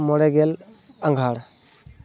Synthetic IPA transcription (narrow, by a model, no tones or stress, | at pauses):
mɔɽɛɡel | aŋɡʱaɽ